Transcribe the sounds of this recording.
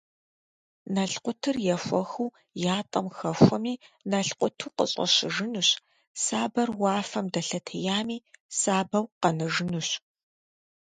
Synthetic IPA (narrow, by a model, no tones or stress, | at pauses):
nɐɬqʷʊtʰɨrjɛxʷɔxuw | jaːtʼɐmxɐxʷɔmiːnɐɬqʷʊtʰuːqə̰ɕʼɐ̰ɕɪʒɨnuɕ | saːbɐrwɑːfɐmdɐɬɐtʰɐjaːmiːsaːbɐwqɐnɨʒɨnuɕ